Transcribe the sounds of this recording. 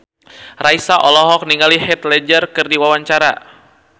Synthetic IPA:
raisaʔɔlɔɦɔk̚niŋalihɛt̪lɛd͡ʒərkɨrdiwawaɲt͡ʃaɾa̰

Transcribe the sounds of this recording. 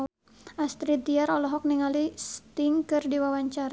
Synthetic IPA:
ast̪ɾid̪iaɾɔlɔɦɔk̚niŋalist̪iŋkɨrdiwawaɲt͡ʃaɾa

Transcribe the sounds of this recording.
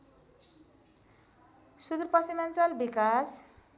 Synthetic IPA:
sud̪ɾpʌsimant͡sʌlbikas

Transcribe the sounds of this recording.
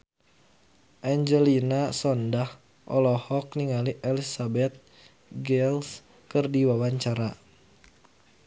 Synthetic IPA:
ʔaɲd͡ʒɛlinasɔndah | ʔɔ̰lɔhɔk̚niŋaliʔɛlisabɛt̪̚ | ɡɛls | kɨrdiwawaɲt͡ʃaɾa

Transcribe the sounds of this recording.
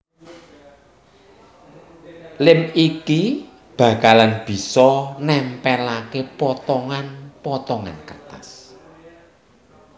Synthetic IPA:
lɪmiki | b̥ä̤kalanb̥i̤sɔnɛmpɛlakepɔt̪ɔŋanpɔt̪ɔŋa̰nkət̪as

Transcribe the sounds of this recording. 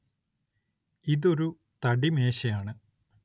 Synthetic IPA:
iðo̞ɾu | t̪ɐɽime̞ːɕɐjaːɳɨ

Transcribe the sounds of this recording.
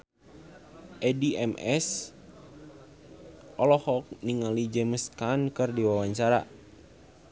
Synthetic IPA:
ʔɛdiɛmɛs | ɔlɔhɔk̚niŋalid͡ʒɛməskankɨrdiwawaɲt͡ʃaɾa̰

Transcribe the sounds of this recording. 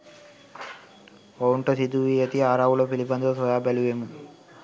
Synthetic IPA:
owuɳʈosid̪uʋijɐt̪iaːɾaːwulopilipɐnd̪osɔjaːbeluʋemun

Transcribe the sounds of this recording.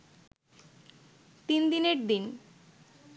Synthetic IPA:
t̪ind̪ineɾd̪in

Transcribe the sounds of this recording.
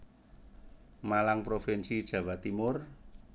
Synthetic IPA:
malaŋpɾofɛnsid̥ʒ̥a̤wat̪imʊr

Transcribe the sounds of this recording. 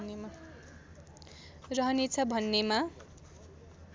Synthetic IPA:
nema | rʌɦʌnet͡sʰʌbʱʌnːema

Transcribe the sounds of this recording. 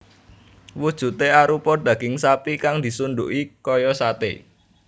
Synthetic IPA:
wud̥ʒ̥ṳt̪eaɾupɔɖ̪̥ä̤ɡ̥ɪŋsapikaŋd̪i̤sunɖ̪ṵʔikɔjɔsat̪ḛ

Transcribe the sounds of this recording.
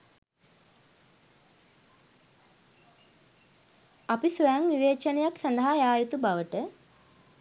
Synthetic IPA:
apisʋəjaŋniʋeːt͡ʃənejaksand̪əɦajaːjut̪ubaʋəʈə

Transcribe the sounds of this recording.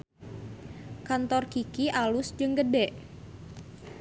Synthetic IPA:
kant̪ɔrɡ̥ikiʔalʊsd͡ʒɨŋɡəɖɛʔ

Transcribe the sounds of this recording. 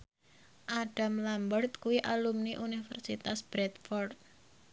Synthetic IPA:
ʔaɖ̥a̤mlambərt̪̚kuwiʔalumniʔunifə̰rsit̪asb̥ɾɛt̪fɔrt̪̚

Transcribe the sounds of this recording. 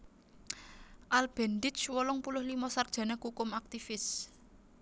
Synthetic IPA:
ʔalb̥ɛ̤nd̪ɪt͡ʃwɔlɔŋpulʊhlimɔsard̥ʒ̥a̤nakhukʊmak̚t̪ifɪs

